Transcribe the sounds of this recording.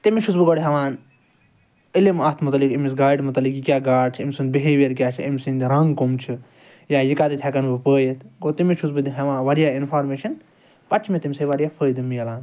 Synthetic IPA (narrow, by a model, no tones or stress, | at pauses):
t̪imit͡ʃʰusbɨɡoɽiɦɐʋaːn | ilimɐt̪ʰmut̪ɐlikimis̬ɡaːiɖmut̪ɐlikikʲjaːɡaːɽt͡ʃʰimʲsɨnbiɦeʋeɾkʲjaːt͡ʃʰiimʲsind̪iɾɐŋɡkomt͡ʃʰi | jaːjikaːd̪it̪ʲʰɛkɐnbɨpəːjet̪ʰɡot̪imit͡ʃʰusbɨd̪iɦɐʋãːʋɐɾijaːinpʰaːɾmeːʃɐn | pɐt͡ʃʰmet̪imʲseʋɐɾijaːpʰəːjd̪imijɐlaːn